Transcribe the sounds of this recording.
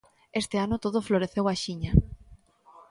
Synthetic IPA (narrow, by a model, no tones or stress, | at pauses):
est̪eanot̪oðofloɾeθewaʃiɲa